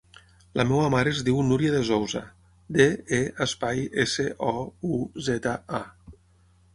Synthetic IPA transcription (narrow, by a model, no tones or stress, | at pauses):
lamɛwamaɾeːzdiwnuɾiaðezowza̰ | d̪eeəspajeseʔɔuzɛt̪aa